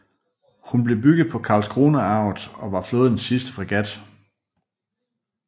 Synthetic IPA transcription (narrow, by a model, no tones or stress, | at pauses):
hunb̥le̝b̥yɡ̥ð̩ˠpʰɒ̽kʰɑ̈ːlsɡ̥ʰʁo̝ːnəɑ̈ʊð̩ˠɒ̽ʋɑ̈flo̝ːðˠn̩sisd̥ə̥fʁiɡ̥æd̥